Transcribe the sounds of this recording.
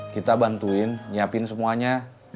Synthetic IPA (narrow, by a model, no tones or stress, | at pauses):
kit̪abant̪uɪnːiapɪnsəmuaɲa